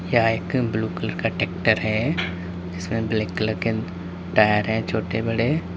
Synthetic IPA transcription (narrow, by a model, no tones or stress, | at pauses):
jɐɦaeːkbluːkɪləɾkaʈeːk̚ʈəɾɦɛː | d͡ʒɪsmẽbleːkɐləɾke | ʈaːjəɾɦɛ̃t͡ʃʰoːʈebɐɽe